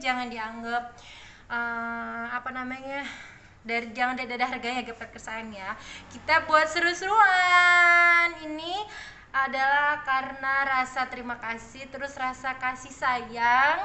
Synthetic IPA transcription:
d͡ʒaŋandiaŋɡap̚ | əapanamaɲa | daɾid͡ʒaŋandadadaɦarɡaɲaɡapəkərsanjakit̪abuat̪̚səɾusɾua | nini | ʔadalahkarənarasat̪əɾimakasɪht̪əɾʊsrasakasɪhsajaŋ

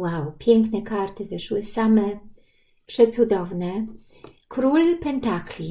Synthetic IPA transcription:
wawpʲjɛŋknɛkaɾt̪ɘvɘʂwɘsamɛ | pʂɛt̪sud̪ɔvnɛ | kɾulpɛnt̪aklʲi

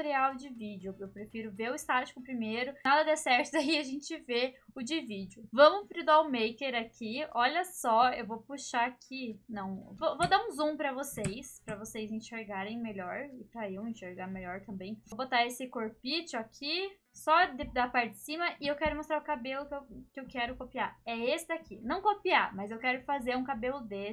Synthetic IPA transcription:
ɾiawd͡ʒɪvid͡ʒɪʊewpɾefiɾʊveʊɪst̪at͡ʃi̥kʊpɾimejɾʊnad̪ɐd̪ɛsɛɾt̪ʊd̪aiaʒẽnt͡ʃɪveʊd͡ʒɪvid͡ʒɪʊvɐ̃mʊfɾid̪awmejkeɾakʰiɔʎɐsɔewvopuʃaːkʰinɐ̃w̃vovod̪aũzũmpɾɐvosejspɾɐvosejzẽʃeɾɡaɾẽj̃meʎɔɾɪpɾɐewẽʃeɾɡaɾmelɔɾt̪ɐ̃mbẽj̃bot̪aesɪkoɾpit͡ʃʊakʰi | sɔd̪ɪd̪apaɾt͡ʃɪɪsĩmɐʔɪewkɛɾʊmost̪ɾaɾʊkabelʊkewkɪewkɛɾʊkopiaɛesɪd̪akʰinɐ̃w̃kopiamɐzewkɛɾʊfazeɾũkabelʊd̪es

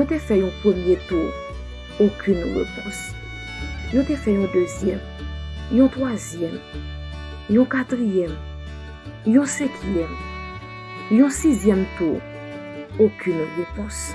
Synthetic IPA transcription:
jɔ̃t̪ɛfɛjɔ̃pχəmjet̪uʁ | okʰʲynʁḛpɔ̃s | jɔ̃t̪ɛfɛjɔ̃d̪øzjɛ̰m | jɔ̃t̪χwazjɛm | jɔ̃kat̪χijɛm | jɔ̃sɛ̃kjɛm | jɔ̃sizjɛmt̪u | okʲʰynʁepɔ̃s

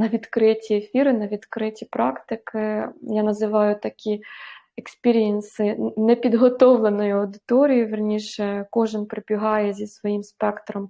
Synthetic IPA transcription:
nɐʋʲid̪kɾɪtʲiefʲiɾɪnɐʋʲid̪kɾɪtʲipɾɑkt̪ɪkɪjanɐzɪʋɑjʊt̪ɐkʲi | ekspʲiɾʲijɛnsɪnɛpʲid̪ɦɔt̪ɔwlˠenɔjʊɐwd̪ɪt̪ɔɾʲijiʋʲɪrnʲiʃɛkɔʒɪnpɾɪpʲiɦɑjɛzʲisʋɔjimspɛkt̪ɾɔm

